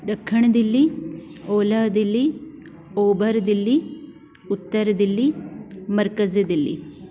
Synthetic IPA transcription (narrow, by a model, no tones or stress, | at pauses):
ɖɐkʰːɐɳd̪ilːioːlɐɦd̪ilːi | oːbɐɾd̪ilːi | ut̪ːɐɾd̪ilːimɐɾkɐzd̪ilːḭ